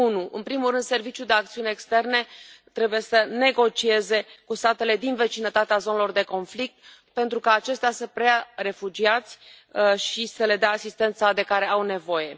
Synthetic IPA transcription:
unuʔɨ̰npɾimuɾɨnd̪se̞rvit͡ʃjuld̪eakt̪siuneːkst̪e̞rne̞t̪ɾe̞buje̞səne̞ɡo̞t͡ʃie̞ze̞kust̪at̪e̞le̞d̪inve̞t͡ʃinət̪at̪eazo̞nelo̞rd̪e̞ko̞nflik̚t̪̚ | pe̞nt̪ɾukaːt͡ʃe̞st̪easəpɾeare̞fud͡ʒiat̪sʲ | ʃisəle̞d̪eaːsist̪e̞nt̪sad̪e̞kaɾe̞awne̞vo̞je̞

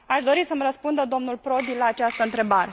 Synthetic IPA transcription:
aʃd̪o̞ɾisəmrəspund̪əd̪o̞mnulpɾo̞d̪ilaːt͡ʃast̪əɨnt̪ɾe̞baɾe̞

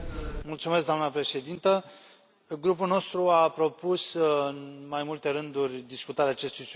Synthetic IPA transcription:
mult̪sumesk̚d̪oamnəpɾe̞ʃe̞d̪int̪ə | ɡɾup̬ulno̞st̪ɾuapɾo̞pusɨnmajmult̪e̞ɾɨnd̪urʲd̪iskut̪aɾeaːt͡ʃe̞st̪ujs

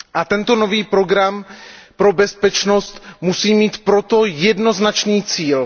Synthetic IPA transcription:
ʔat̪ɛnt̪o̞no̞viːpɾo̞ɡɾampɾo̞bɛspɛt͡ʃno̞st̪musiːmiːt̪pɾo̞t̪o̞jɛdno̞znat͡ʃniːt͡siːl

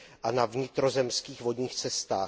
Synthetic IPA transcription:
ʔanavɲɪt̪ɾo̞zɛmskiːxvo̞dɲiːxt͡sɛst̪aː

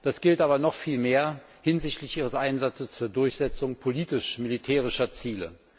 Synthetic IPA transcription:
d̥asɡ̥ɪltʔaːbɐnɔχfiːlmeːɐ | hɪnzɪçtlɪçʔiːʁ̞əsʔaɪnzat͡səst͡suːɐdʊɐçz̥ɛt͡sʊŋpʰoliːtɪʃmɪlitʰɛːʁ̞ɪʃɐt͡siːlə̰

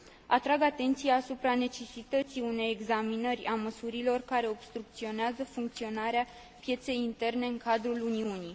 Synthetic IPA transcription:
at̪ɾaɡat̪e̞nt̪sijaːsupɾane̞t͡ʃe̞sit̪ət̪siune̞jeɡzaminərʲaməsuɾilo̞rkaɾe̞o̞b̥st̪ɾuk̚t̪sio̞neazəfuŋk̚t̪sio̞naɾea | pje̞t̪se̞jint̪e̞rne̞ɨŋkad̪ɾuluniuni

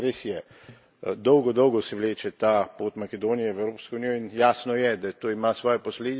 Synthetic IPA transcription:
ɾeːsjɛ | d̪ɔwɡɔd̪ɔwɡɔsɛʋleːt͡ʃɛt̪apoːt̪makɛd̪oːnijɛʋɛwɾoːpskounijɔinjaːsnɔjɛd̪at̪oːimasʋɔːjɛpɔsleːd̪i

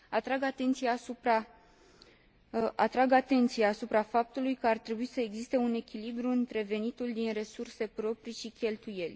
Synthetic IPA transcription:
at̪ɾaɡat̪e̞nt̪sijaːsupɾa | ʔat̪ɾaɡat̪e̞nt̪siaːsupɾafap̚t̪ulujkəart̪ɾe̞buisəe̞ɡzist̪e̞une̞kʲilibɾuɨnt̪ɾe̞ve̞nit̪uld̪inre̞surse̞pɾo̞pɾiʃikʲe̞lt̪uje̞lʲ

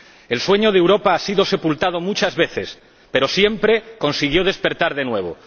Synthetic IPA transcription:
e̞lswe̞ɲo̞ðewɾo̞paasiðo̞se̞pult̪að̞o̞mut͡ʃazβe̞θe̞s | pe̞ɾo̞sje̞mpɾe̞ko̞nsiɣ̞jo̞ð̞e̞spe̞ɾt̪aɾðe̞nwe̞β̞o̞̰

